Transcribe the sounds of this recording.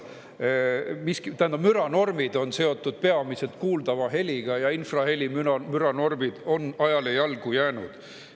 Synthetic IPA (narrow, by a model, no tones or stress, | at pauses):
miskit̪ææend̪ɑmyɾɑno̞rmid̪̥o̞nse̞o̞t̪ːˑud̪̥̚pe̞ɑmise̞lt̪̚kuːld̪̥ɑvɑɦe̞lʲiɡ̥ɑjɑinfrɑhe̞lʲimyɑmyɾɑno̞rmid̪̥o̞nɑjɑlejɑlɡ̥ujæːnud̪̥